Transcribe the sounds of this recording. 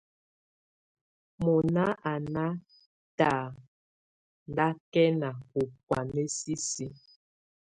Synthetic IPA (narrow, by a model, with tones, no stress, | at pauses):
mɔ˨na˦a˨na˦ | ta˨ | nda˦kɛ˦na˨u˨k̚wa˨ne˦si˦si˦